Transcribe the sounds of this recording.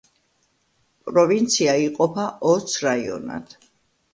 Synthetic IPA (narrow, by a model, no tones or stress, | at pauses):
pʼɾɔvint̪sʰiaiqʼɔpʰaʔɔt̪sʰɾaiɔ̰na̰t̪ʰ